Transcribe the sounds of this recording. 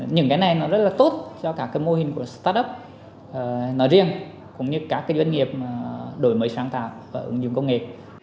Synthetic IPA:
ɲɨ̰˧˩˦ŋkaː˨˦jna˨˩jnɔ˨˦zə˦˥t̚laː˨˩t̪o˦˥t̚t͡ɕɔ˧kaː˦˥kːaː˨˦jmo˧hï˨˩ŋ̟ku˧˩əst̪aː˦˥t̚ʔə˦˥p̚ː | nɔ˨˦zi˧əŋ | kʊ̰˧˥ŋ͡mɲɨ˧kaː˦˥kːaː˨˦jza˧ŋ̟ŋi˨˩əp̚ːɗo˨˩˦jməː˨˦jsaː˧˩ŋt̪a̰ː˧˨w̚vaː˨˩ʔɨ̰˨˧˩ŋzʊ̰˧˨ŋ͡mkə˧wŋ͡mŋḛ˨

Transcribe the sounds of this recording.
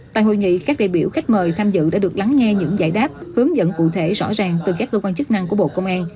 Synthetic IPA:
t̪a̰ː˧˨jɦo̰˧˨jŋḭ˧˨kaː˦˥k̚ɗḛ˧˨ɓi˧˩əwxa˦˥jk̟̚məː˨˩jt̪ʰaː˧mzɨ̰˧˨ɗa̰ː˧˥ɨ˨˩ək̚la˨˦ŋːɛ˧ɲɨ̰˧˥ŋza̰ː˧˩jɗaː˦˥p̚hɨ˨˦əŋzə̰˧˨nkṵ˧˨t̪ʰe˧˩zɔ̰˧˥zaː˨˩ŋt̪ɨ˨˩k̬aː˦˥kːə˧kwaː˧nt͡ɕɨ˦˥k̚na˧ŋku˧˩əɓo̰˧˨kə˧wŋ͡mʔaː˧n

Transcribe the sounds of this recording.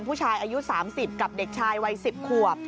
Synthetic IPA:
npʰuː˥˩t͡ɕʰaː˧jʔaː˧ju˦˥saː˩˦msi˨˩p̚ka˨˩p̚de˨˩k̚t͡ɕʰaː˧jwa˧jsi˨˩p̚kʰu˨˩əp̚

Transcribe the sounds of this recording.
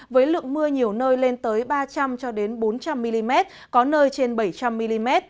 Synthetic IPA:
vəː˨˦jlɨ̰˧˨əŋmɨ˧əɲi˨˩əwnəː˧jle˧nt̪əː˨˦jɓaː˧t͡ɕa˧mt͡ɕɔ˧ɗe˨˦nɓo˨˦nt͡ɕa˧mːi˧li˧mɛ˦˥t̚ | kɔ˨˦nəː˧jt͡ɕe˧nɓə˧˩jt͡ɕa˧mːi˧li˧mɛ˦˥t̚

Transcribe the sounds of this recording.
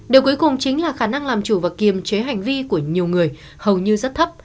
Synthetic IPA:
ɗe˨˩wku˨˦jkʊ˨˩ŋ͡mt͡ɕï˨˦ŋ̟laː˨˩xaː˧˩na˧ŋlaː˨˩mt͡ɕu˧˩vaː˨˩ki˨˩əmt͡ɕe˨˦ɦa˨˩jŋ̟vi˧ku˧˩əɲi˨˩əwŋɨ˨˩əj | hə˨˩wɲɨ˧zə˦˥t̚t̪ʰə˦˥p̚

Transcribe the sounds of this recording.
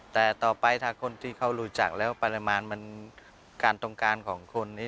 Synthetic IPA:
t̪ɛː˨˩t̪ɔː˨˩pa˧jt̪ʰaː˧kʰo˧nt̪ʰiː˥˩kʰa˦˥˩wɾuː˦˥t͡ɕa̰˨˩k̚lɛː˦˥wpa˧la˧maː˧nma˧˥n | kaː˧nt̪o˧ŋkaː˧nkʰɔː˩˦ŋkʰo˧nːiː˦˥˩

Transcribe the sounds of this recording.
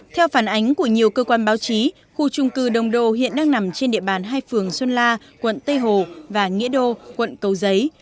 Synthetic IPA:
t̪ʰɛ˧wfaː˧˩nʔa˨˦jŋ̟ku˧˩əɲi˨˩əwkəː˧kwaː˧nɓaː˨˦wt͡ɕi˨˦ | xu˧t͡ɕʊ˧ŋ͡mkɨ˧˩ɗə˨˩wŋ͡mɗo̰˧˨hḭ˧˨ənɗaː˧ŋna˨˩mt͡ɕe˧nɗḭ˧˨əɓaː˨˩nɦaː˧jfɨ˨˩əŋswə˧nlaː˧ | kwə̰˧˨nt̪ə˧jɦo˨˩vaː˨˩ŋḭ˧˥əɗo˧kwə̰˧˨nkə˨˩wzə˨˦j

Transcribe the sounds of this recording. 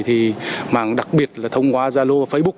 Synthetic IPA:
t̪ʰi˨˩maː˨˩ŋɗa˨˩k̚ɓi˨˩ət̚laː˨˩t̪ʰə˧wŋ͡mkwaː˧˦zaː˧lo˧a˨˩fə˧˦jɓʊ˦˥k͡p̚

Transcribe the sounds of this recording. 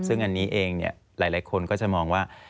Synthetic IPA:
sɯ˥˩ŋʔa˧nːiː˦˥ʔeː˧ŋnḭ˦˥˩ɐ | laː˩˦jlaː˨˩˦jkʰo˧nkɔː˥˩t͡ɕa˨˩ʔmɔː˧ŋwaː˥˩

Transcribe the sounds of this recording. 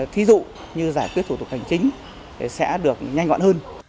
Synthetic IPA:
t̪ʰi˨˦zṵ˧˨ | ɲɨ˧zaː˧˩jkwi˦˥t̪̚ʰu˧˩t̪ʊ˨˩ha˨˩jŋ̟t͡ɕï˨˦ŋ̟ | t̪ʰe˨˩sɛ̰˧˥ɗɨ˨˩ək̚ɲa˧jŋ̟ŋa̰ː˧˨nhəː˧n

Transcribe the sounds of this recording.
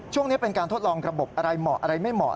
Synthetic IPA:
t͡ɕʰu˥˩əŋni˦˥pe˧nkaː˧nt̪ʰo˦˥t̪̚lɔː˧ŋɾa˧bo˨˩p̚ʔa˧ɾa˧jmɔː˨˩k̚ʔa˧ɾa˧jma˥˩jmɔː˨˩

